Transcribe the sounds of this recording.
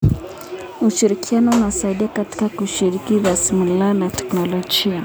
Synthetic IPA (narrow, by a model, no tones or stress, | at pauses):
uʃiɾikʰianɔunasaiɗiakati̥kakuʃiɾikizasimulanatɛ̥knɔlɔd͡ʒia